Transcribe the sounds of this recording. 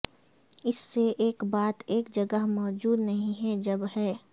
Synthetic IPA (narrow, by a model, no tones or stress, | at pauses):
ɪsːeʔeːkbaːt̪eːkd͡ʒɐɡəɦmɔːd͡ʒuːd̪nɐɦĩɦɛd͡ʒɐbɦɛː